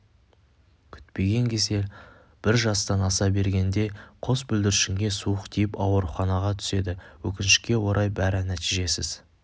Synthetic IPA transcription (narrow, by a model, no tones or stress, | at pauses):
kʲʰʏ̥t̪pe̞ɡʲe̞ŋkʲʰe̞ze̞ | b̥ɪɾʒɑst̪ɑnɑsɑbe̞ɾɡʲe̞nd̪e̞qʰo̞sbʏld̪ɪɾɪʃɪŋɡʲe̞suəqt̪ʰejɪpɑwəɾχɑnɑʁɑt̪ʰʏ̥se̞d̪ɪwɵkʲɪnɪʃɪ̥kʲe̞wo̞ɾʔɑjbæɾɪnæt̪ijʒe̞sɪz̥